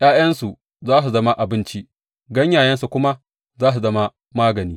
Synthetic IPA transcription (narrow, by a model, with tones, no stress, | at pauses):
jaː˦jɐ˦nsu˨ | zaː˦s̬u˨zɐ˦ma˦ʔa˨bɪ˦nt͡ʃi˦ | ɡɐ˦ɲjaː˨jɐ˦nsu˨kʷʊ˦ma˦ | zaː˦s̬u˨zɐ˦ma˦ | maː˦ɡɐ˨niː˦